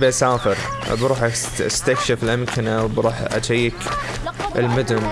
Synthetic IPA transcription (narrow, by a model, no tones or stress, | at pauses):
bʔasaːfɪɾʔbɾˤuːħaʔa̰st̪akʃɪfɪlʔamkʰɪnawbɾuːħʔa̰t͡ʃajːɪk | ɪlmʊd̪ʊm